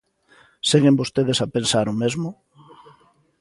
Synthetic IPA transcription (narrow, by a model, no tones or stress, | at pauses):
seɣembost̪eðesapensaɾʊmezmʊ